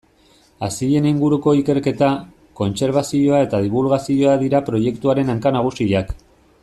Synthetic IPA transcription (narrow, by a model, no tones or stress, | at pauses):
asiʎe̞niŋɡuɾuko̞ike̞ɾke̞t̪a | ko̞nse̞ɾβ̞asio̞ae̞t̪að̞iβulɣasio̞aðiɾapɾo̞je̞kt̪uaɾe̞naŋkanaɣ̞usiak